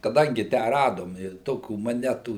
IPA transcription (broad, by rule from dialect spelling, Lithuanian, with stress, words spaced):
kɐˈdɐŋʲɡʲɪ ˈtʲæː ˈrɑːdoːm ɪ ˈtoːkʲuː moːˈnʲæːtuː